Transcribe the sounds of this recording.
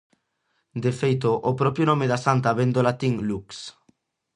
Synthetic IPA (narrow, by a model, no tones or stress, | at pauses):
d̪efejt̪oʔopɾɔpɾjonomeðasant̪aβend̪olat̪iŋluks